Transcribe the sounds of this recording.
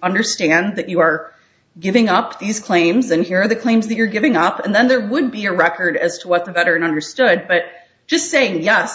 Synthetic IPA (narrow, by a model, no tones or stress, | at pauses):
ʌ̃ndə˞stæ̃nðɨt͡ʃɨə˞ | ɡɪvɪ̃ŋʌpðiz̥kʰl̥ẽɪ̃mzɨ̃nhiɹə˞ðɨkʰl̥ẽɪ̃mzðɨt͡ʃə˞ɡɪvɪ̃ŋʌpɨ̃nðɨ̃nðə˞wəd̚biɨɹɛkə˞ɾɨz̥tʰəwʌt̪̚ðɨvɛɾə˞ɨ̃nʌ̃ndə˞stʊd̚b̥ʌt̚ | d̥ʒ̥ʌstseɪɪ̃ŋjɛs